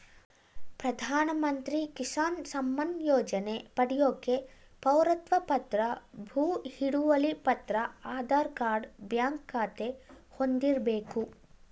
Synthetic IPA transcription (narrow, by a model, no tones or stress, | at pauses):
pɾɐd̪ʱaːnɐmɐnt̪ɾikisaːnsɐmːɐnjɔːd͡ʒɐne̞pɐɽijoːke̞ | pɐwɾɐt̪ʋɐpɐt̪ɾɐbʱuːhiɽuʋɐlipɐt̪ɾɐaːd̪ʱaːɾkaːɾɖbjaːŋkːaːt̪e̞ | hond̪iɾbeːku